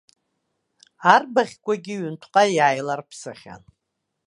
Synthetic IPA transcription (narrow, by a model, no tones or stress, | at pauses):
arbaχʲkʷʼaɡʲɪɥʏntʷʰqʼajajlarpʰsɨχʲa̰n